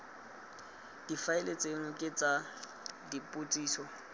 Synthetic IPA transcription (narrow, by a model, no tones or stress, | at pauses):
d̥ifaɪlet͡sʼeŋʊkʼɪt͡sʼa | dipʼʊtʼiːsɔ